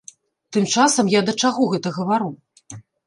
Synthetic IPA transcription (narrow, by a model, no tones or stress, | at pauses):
t̪ɨmt͡ʂasɐmjad̪ɐt͡ʂaɣɔɣɛt̪ɐɣɐvaɾu